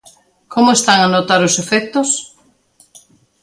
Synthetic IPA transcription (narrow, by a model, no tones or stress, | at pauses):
kʰomʊest̪aŋanot̪aɾʊsefɛk̚t̪ʊs